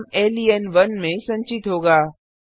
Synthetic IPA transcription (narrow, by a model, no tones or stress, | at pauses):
meːliɛnʋɐnmẽsɐ̃ɲt͡ʃɪt̪ɦoːɡaː